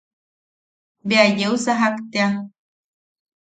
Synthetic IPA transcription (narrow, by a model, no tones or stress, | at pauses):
beajeusaɦakt̪ea